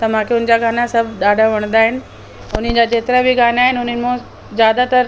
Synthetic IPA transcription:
t̪ɐmãkʰeʊnɪd͡ʑaɡaːnasɐbʱɗaːɖʱaʋɐɽ̃nd̪aːɦɪnɪ̆ | ʊn̤əd͡ʑat͡ɕeːt̪ɾabʱiɡaːnaːɦɪnʊnəmõ | zjaːd̪at̪ɐɾ

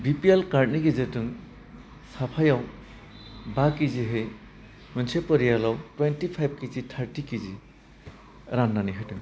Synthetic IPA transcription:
bipielkaɾnikizetɯŋ | sapʰajaw | bakiziɦɯj | mɯnsʰepɔɾijalɔwtwentipʰajb̚kizitʰaɾtikizi | ɾanːaniɦɯjtɯŋ

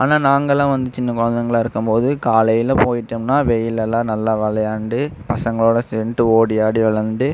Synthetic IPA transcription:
ʔaːnaːnaːŋɡɐlãːʋɐnd̪ɯt͡ʃɪnːɐkʊɻɐnd̪ɐŋɡɐɭaːɪɾɯkːɯmpoːðɯkaːlɐjɪlɐpoːjɪʈːɯmnaːʋejɪlɛlːãːnɐlːaːʋɐɭɐjaːɳɖɯpɐsɐŋɡɐɭoːɽɐsɪɳʈːɯoːɽɪjaːɽiʋɐɭɐɾnd̪ɯ

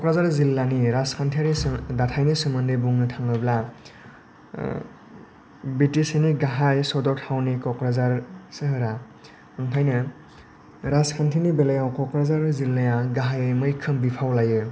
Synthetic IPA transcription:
kɔkɾazaɾzilːaniɾaskʰantʰiaɾisdatʰajnɯsɯmɯndɯbuŋnɯtʰaŋɯbla | bitisiniɡaɦajsɔdɔtʰawnikɔkɾazaɾsɯɦɯɾa | ɯŋtʰajnɯ | ɾaskʰantʰinibelajawkɔkɾazaɾzilːajaɡaɦajɯmɯjkʰɯmbipʰawlajɯ

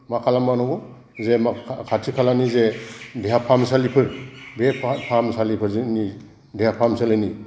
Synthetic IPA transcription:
makʰalamanɔɡɔ | zemakʰatʰikʰalanizedeɦapʰamsalipʰɯɾbepʰpʰamsalipʰɯɾzni | deɦapʰamsalɯni

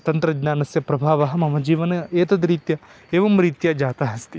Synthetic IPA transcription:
t̪ɐnt̪ɾɐɡnaːnɐsjɐpɾɐbʱaːʋɐɦɐmɐmɐd͡ʒiːʋɐnɐeːt̪ɐd̪ɾiːt̪jɐ | eːʋɐmɾiːt̪jɐd͡ʒaːt̪ɐɦɐst̪i

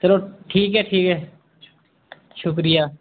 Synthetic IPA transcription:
sɐɾoːʈʰiːkɦɛʈʰiːkɦɛː | ʃʊk̬ɾɪjaː

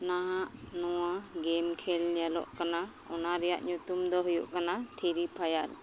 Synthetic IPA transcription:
naɦaʔnɔwaɡɛmkʰɛlnjalɔ̰ʔkana | ɔnaɾɛja̰ʔɲut̪umd̪ɔɦɔjuʔkanat̪ʰɛɾipʰajaɾ

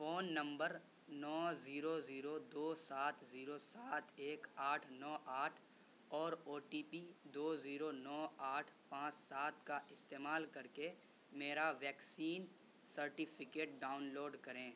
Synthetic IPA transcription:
foːnːɐ̃mbəɾ | nɔːziːɾoziːɾod̪oːsaːt̪ʰziːɾosaːt̪ʰeːkaːʈʰnɔːʔaːʈʰ | ɔːɾoːʈiːpid̪oːziːɾonɔːaːʈʰpãːt͡ʃsaːt̪̚ʰkaʔɪst̪eːmaːlkɐɾke | meːɾaʋɛːksiːn | sɐɾʈɪpʰɪkeːʈ̚ɖaːʊnloːɖkɐɾẽː

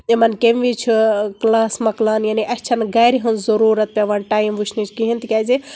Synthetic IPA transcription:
emɐnkemʋit͡ʃʰuklaːsmɐklaːnjaniʔɐt͡ʃʰɐnɡɐːɾiɦɐnzɐɾuːɾɐt̪̚pʲeʋɐnʈaːjimʋut͡ʃʰnit͡ʃʰkiɦint̪ikʲaze

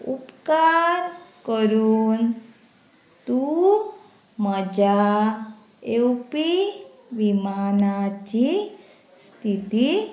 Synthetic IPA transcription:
ṵpkaɾkəɾuːn | t̪u | məd͡ʑa | ewpi | ʋimanat͡ɕi | st̪ʰit̪i

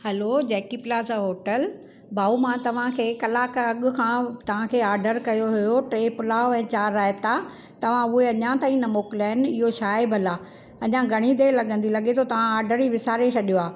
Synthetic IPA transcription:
hɛlod͡ʑɛːkipɪlaːsaɦoːʈəl | bʱaːumãt̪ɐʋ̤ãkʰeːkɐlaːkɐɠʊ̆kʰãːt̪ɐʋ̤ãkʰeːaːɾɖəɾkɐjoɦʊjoʈɾeːpʊlaːɛ̃ːt͡ɕaːɾːaːɪt̪a | t̪ɐʋ̤ãʊɦeɐɲãt̪aːĩnɐmoːkɪlaːɦɪnɪ̆ɪɦoʃaːebʱɐlaː | ɐɲãɡʱɐɽ̃id̪eːlɐɠə̃n̆d̪ilɐɠet̪ʰot̪ɐʋ̤ãaːɾɖəɾiʋɪsaːɾet͡ɕʰɐɗijoaː

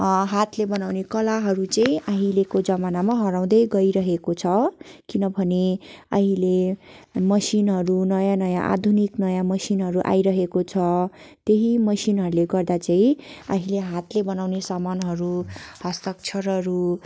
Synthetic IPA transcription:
ɦat̪lebʌnawnekʌlaɦʌɾut͡saĩʔaɦilekod͡zʌmanamaɦʌɾãw̃d̪ʌjɡʌjɾʌɦekot͡sʰʌkinʌbʱʌneʌɦile | mʌsinɦʌɾunʌjanʌjã̰ʔa̰d̪ʱuniknʌjãmʌsinɦʌɾuʔa̰jɾʌɦekot͡sʰʌ | t̪eɦimʌsinɦʌɾuleɡʌrd̪at͡saĩʌɦileɦat̪lebʌnawnesʌmʌnɦʌɾuhʌst̪ʌk̚t͡sʰʌrʌɾu

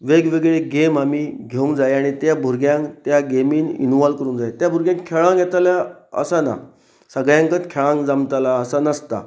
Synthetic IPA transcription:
ʋeɡʋeɡɭeɡemamiːɡʱeũnd͡zaeaɽ̃it̪jabʱuɾɡjãŋkt̪jaɡemiːnḭnʋalkəɾuːnd͡zaet̪jabʱuɾɡjãŋkʰeɭãŋkɡjɛt̪aljaə̰sana̰ | səɡɭjãŋkat̪kʰeɭãŋkd͡zamt̪alaəsanəst̪a̰

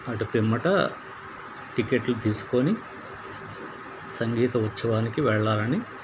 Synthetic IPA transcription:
ɐʈupimːɐʈɐ | ʈikeːʈlut̪iːsu̥koni | sɐŋɡiːt̪ɐʋɐt̪sɐʋaːnikiʋɛɭːaːlɐni

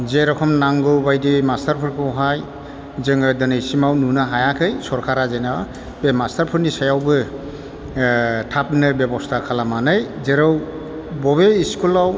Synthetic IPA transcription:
zeɾɔkʰɔmnaŋɡɯwbajdimastʰaɾpʰɯɾkʰɯwɦaj | zɯŋɯdɯnɯsimawnunɯɦajakʰɯjsɔɾkʰaɾazenawa | bemastaɾpʰɯɾnisajawbɯ | tʰap̚nɯbjebɔstʰakʰalamanɯjzeɾɔw | bɔβeiskulaw

